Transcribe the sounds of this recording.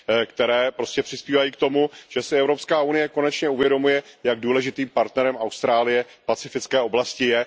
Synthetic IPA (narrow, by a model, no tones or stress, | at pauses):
kt̪ɛɾɛːpɾo̞scɛpr̝̥ɪspiːvajiːkt̪o̞muʒ̥ɛsɪɛvɾo̞pskaːunɪjɛko̞nɛt͡ʃɲɛuvjɛdo̞mujɛjaɡ̚duːlɛʒɪt̪iːmpaɾt̪nɛɾɛmawst̪ɾaːlɪjɛpat͡sɪfɪt͡skɛːʔo̞blascɪjɛ